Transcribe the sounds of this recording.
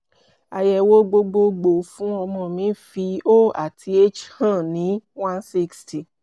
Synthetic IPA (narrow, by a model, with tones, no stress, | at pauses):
a˨jɛ˨wo˦ɡ͡bo˧ɡ͡bo˧ɡ͡bo˨fũ˨˦ɔ˧mɔ̃˧˨mĩ˨˦fi˧o˦˨a̰˨tʰi˧e˦t͡ʃhã˦˨nĩ˨˦wã˦nsi˦ksti˨